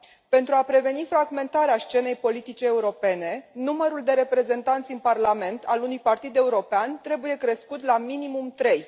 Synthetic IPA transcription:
pe̞nt̪ɾuapɾe̞ve̞nifɾaɡme̞nt̪aɾeast͡ʃe̞ne̞jpo̞lit̪it͡ʃeːuɾo̞pe̞ne̞numəɾuld̪e̞ɾe̞pɾe̞ze̞nt̪ant̪sʲɨnparlame̞nt̪ʰalunujpart̪id̪e̞uɾo̞peant̪ɾe̞buje̞kɾe̞skut̪laminimumt̪ɾe̞j

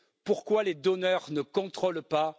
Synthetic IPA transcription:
puʁkwaled̪ɔnœʁnəkɔ̃t̪χɔlpa

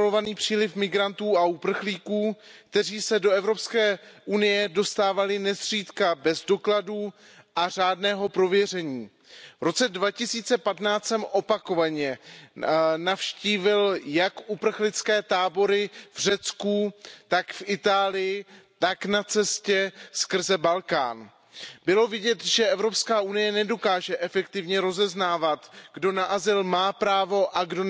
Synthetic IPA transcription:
lovaniːpr̝̥iːlɪfmɪɡɾant̪uːaupr̩xliːkuːkt̪ɛriːsɛdo̞ɛvɾo̞pskɛːʔunɪjɛdo̞st̪aːvalɪnɛsr̝̥iːt̪kabɛzdo̞kladu | ʔar̝aːdnɛːɦo̞pɾo̞vjɛr̝ɛɲiː | vɾo̞t͡sɛdvacɪsiːt͡sɛpat̪naːt͡sɛmʔo̞pako̞vaɲɛ | nafʃciːvɪljakʔupr̩xlɪt͡skɛːt̪aːbo̞ɾɪvr̝ɛt͡skut̪akfʔɪt̪aːlɪjɪt̪aknat͡sɛscɛskr̩zɛbalka̰ːn | bɪlo̞vɪɟɛt̪ʒɛʔɛvɾo̞pskaːʔunɪjɛnɛdo̞kaːʒɛʔɛfɛkt̪ɪvɲɛɾo̞zɛznaːvat̪ɡdo̞naʔazɪlmaːpɾaːvo̞ʔaɡdo

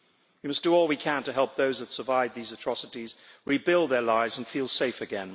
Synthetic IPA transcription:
wimʌsd̥əɔlˠwikʰæ̃ntɨɦɛlˠp̚ðoʊzðɨtsə˞vaɪv̚ðizɨtʰɹ̥ɑsəɾizɹibɪlˠd̪ðə˞laɪvzə̃nfilˠseɪfɨɡɛ̃n

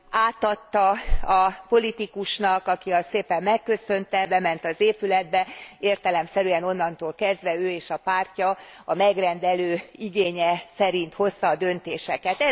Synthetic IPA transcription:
aːt̪ɒt̪ːɒɒpo̞lit̪ikuʃnɒkɒkiɒsseːpɛmːɛkːø̞sø̞nt̪ɛbɛmɛnt̪ɒzeːpylɛd̪̚bɛeːrt̪ɛlɛmsɛɾyɛno̞nːɒnt̪oːlkɛzd̪ʋɛøːeːʃɒpaːrcɒɒmɛɡrɛnd̪ɛløːiɡeːɲɛsɛɾint̪ho̞st̪ɒːd̪ø̞nt̪eːʃɛkɛt̪ɛ

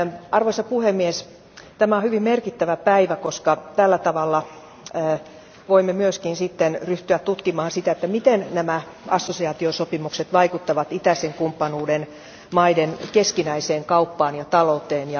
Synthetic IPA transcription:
ɑrʋoisɑpuhemːies | t̪æmæohyʋimmerkit̪ːæʋæpæiʋækoskɑt̪ælːæt̪ɑʋɑlːɑː | ʋoimːemyøskinsit̪ːenryht̪yæt̪t̪ut̪kimɑːɑnsit̪æet̪ːæmit̪ennæmæ | ɑsːosiɑːt̪iosopimukset̪ʋɑikut̪ːɑʋɑt̪it̪æseŋkumpːɑnuːden | mɑidenkeskinæiseːŋkɑupːɑːnjɑt̪ɑlot̪ˑeːnjɑ

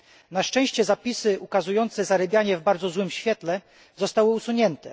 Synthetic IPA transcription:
naʂt͡ʂɛ̃w̃ɕt͡ɕɛzapʲisɘʔukazujɔnt̪sɛzaɾɛbʲjaɲɛvbaɾd̪zɔzwɘmɕfʲjɛt̪lɛ | zɔst̪awɘusuɲɛnt̪ɛ

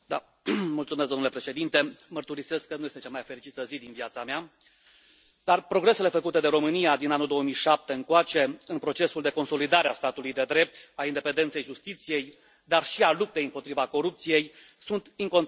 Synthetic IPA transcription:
d̪a | mult̪sumesɡd̪omnule̞pɾe̞ʃe̞d̪int̪e̞mərt̪uɾise̞skːənujest̪e̞t͡ʃamajfe̞ɾit͡ʃit̪əzid̪inviat̪samea | d̪arpɾo̞ɡɾe̞sele̞fəkut̪e̞d̪e̞ɾo̞mɨnijad̪inanuld̪o̞əmijʃap̚t̪e̞ɨŋkoat͡ʃe̞ɨnpɾo̞t͡ʃe̞suld̪e̞ko̞nso̞lid̪aɾeast̪at̪ulujd̪e̞d̪ɾe̞p̚t̪aind̪e̞pe̞nd̪ent̪se̞jʒust̪it̪sije̞j | d̪arʃialup̚t̪e̞jɨmpo̞t̪ɾivako̞ɾup̚t̪sije̞j | sunt̪iŋko̞n

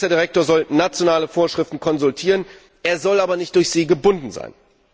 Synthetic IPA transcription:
ɐdiʁɛk̚toːɐzɔlnat͡sjonaːləfoːɐʃʁ̥ɪftn̩kʰɔnzʊltʰiːʁ̞ən | ʔeːɐzɔlaːbɐnɪçt̚d̥ʊɐçz̥iːɡəbʊndn̩za̰ɪn

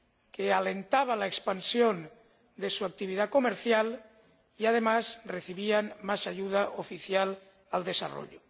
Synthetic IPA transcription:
kealent̪aβ̞alaekspansjon | d̪esuak̚t̪iβ̞iðakomeɾθjal | iað̞emazreθiβianmasaʝuð̞aʔofiθjal | ald̪e̞sa̰ro̰ʎo

